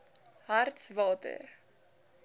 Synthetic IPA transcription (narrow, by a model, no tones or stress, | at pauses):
ɦartsvɑːtə̰r